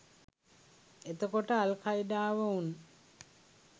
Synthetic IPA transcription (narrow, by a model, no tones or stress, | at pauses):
et̪əkoʈəalkʰajɖaːʋəun